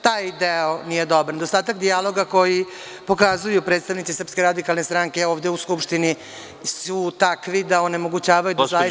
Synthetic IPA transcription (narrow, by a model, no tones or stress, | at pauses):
t̪aːjd̪eonije̞d̪obaɾned̪ost̪aːt̪akd̪ijalo̞ɡako̞ji | po̞kazujupɾet̪st̪aʋnit̪sisrpskeɾad̪ikalˠnest̪ɾaŋkeoːʋd̪e̞uskupʃt̪ini | sut̪akʋid̪aone̞mo̞ɡut͡ɕaːʋajud̪a